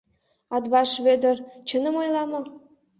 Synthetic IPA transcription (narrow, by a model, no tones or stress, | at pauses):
ɑd̪βɑʃβed̪ə̆rt͡ɕə̆nə̆mojlˠɑmɤ̆